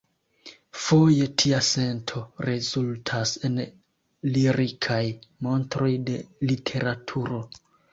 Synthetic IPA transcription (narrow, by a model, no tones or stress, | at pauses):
fo̞je̞tʰiase̞ntʰo̞ɾezultʰase̞n | liɾikʰajmo̞ntɾo̞jde̞litʰe̞ɾatʰuɾo̞